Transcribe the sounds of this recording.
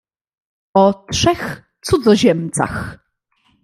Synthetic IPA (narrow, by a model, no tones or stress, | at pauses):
ɔtʂɛx | t̪sud̪zɔʑɛmt̪sa̰x